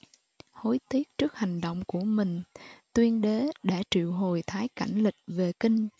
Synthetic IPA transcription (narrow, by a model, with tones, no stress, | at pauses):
ho˨˦jt̪ʰi˦˥ək̚t͡ɕɨ˦˥ək̚ha˨˩ŋ̟ɗo̰˧˨wŋ͡mku˧˩əmï˨˩ŋ̟t̪wi˧ənɗe˨˦ɗaː˧˩t͡ɕḭ˧˨wɦo˨˩jt̪ʰaː˨˦jka˧˩jŋ̟lï˨˩k̟̚ve˨˩kï˧ŋ̟